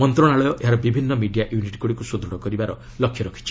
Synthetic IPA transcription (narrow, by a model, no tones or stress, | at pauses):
mɔnt̪ɾɔɽ̃aɭɔjɔʔeɦaɾɔbibʱinːɔmiɖijaʔjuniʈi̥kuɽikusud̪ɾɔɽɔkɔɾibaɾɔ | lɔkʰjɔɾɔkʰi̥t͡ʃʰi̥